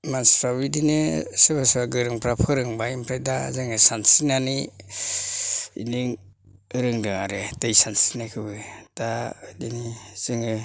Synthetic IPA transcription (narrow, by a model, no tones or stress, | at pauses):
mansɾabidinɯsɯbasɯbaɡɯɾɯŋpɾapʰɯɾɯŋbaimpʰɾajdazɯŋɯsansinani | ḭniŋ | ɯɾɯŋdɯŋaɾedɯjsansinakʰɯbɯd̥adiniz̥ɯŋɯ